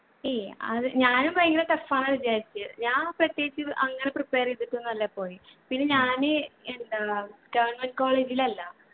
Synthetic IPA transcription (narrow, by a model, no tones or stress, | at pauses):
eɐ̰ðɨɲaːnumbɐjɐŋːɡilet̪ɐfːaːɳɐðid͡ʑaːɾit͡ɕːɨɨɲaːnprɐt̪jeːit͡ɕːɨʔɐŋːɐneprɨpːe̞ːreðiʈːunːɐlːɐpːo̞ːjipinːe̞ɲaːnɨend̪aɡɐʋɐrnmɐnɖ̚ko̞ːɭeːd͡ʑilɐlːɐ